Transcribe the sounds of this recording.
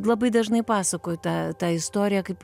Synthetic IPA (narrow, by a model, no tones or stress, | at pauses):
lˠɐbɐɪd̪ɐʒnɐɪpɑːsɐkoːjʊt̪ɑt̪ɑːɪst̪oːɾʲɪjɛkɐɪp